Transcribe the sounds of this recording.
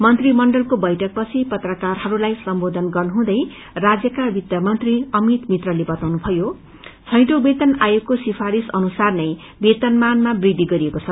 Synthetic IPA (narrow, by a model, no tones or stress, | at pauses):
mʌnt̪rimʌɳɖʌlkobʌjʈʰʌk̚pʌt͡sʰipʌt̪rʌkarɦʌɾulajsʌmbod̪ʱʌnɡʌrnuɦũd̪ʌj | rad͡zjʌkabit̪jʌmʌnt̪riʌmit̪mit̪rʌlebʌt̪awnubʰʱʌjo | t͡sʰʌjʈobet̪ʌnajoɡkosipʰaɾisʌnusarnʌj | bet̪ʌnmanmabrid̪ʱiɡʌɾiekot͡sʰʌ